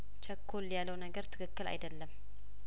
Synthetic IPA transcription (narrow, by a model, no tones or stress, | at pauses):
t͡ʃʰəkʰːoljalːəwnəɡəɾt̪ʰɨ̥kʰɨkːɨla̰jd̪əlːəm